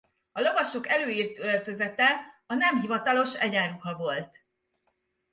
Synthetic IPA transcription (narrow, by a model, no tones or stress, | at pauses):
ɒlo̞vɒʃo̞kɛløːiːrt̪ølt̪ø̞zɛt̪ɛɒnɛmɦivɒt̪ɒlo̞ʃɛɟaːɾuhɒvo̞lt̪